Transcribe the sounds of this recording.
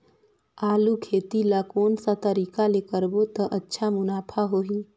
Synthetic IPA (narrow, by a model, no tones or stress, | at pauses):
aːlukʰeːt̪ilakoːnsat̪əɾiːkalekəɾbot̪əʔɐtːʃʰamʊnaːpʰaɦoːiː